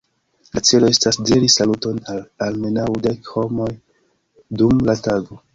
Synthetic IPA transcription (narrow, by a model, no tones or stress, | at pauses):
lat͡se̞lo̞e̞stasdiɾisaluto̞nalalme̞nawde̞kho̞mo̞j | dumlataɡo̞